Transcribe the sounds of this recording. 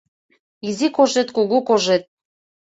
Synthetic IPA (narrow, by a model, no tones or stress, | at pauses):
izikoʒet̪kuɣukoʒet̪̚